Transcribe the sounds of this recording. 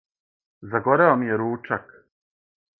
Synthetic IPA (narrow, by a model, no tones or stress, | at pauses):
zaɡo̞ɾeomijeɾuːt͡ʃak